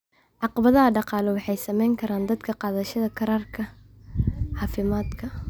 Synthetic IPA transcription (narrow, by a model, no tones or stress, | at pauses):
ʕɑqɑβɐðɐɦɐɖɑqɑːlɔwɑħɑjsɐmɛjŋkʰɐɾaːnd̪ɐd̪kʰɐqɑːðɐʃɐðɐkʰɐɾaːrkʰɐ | ħɑːfɪmaːd̪kʰɐ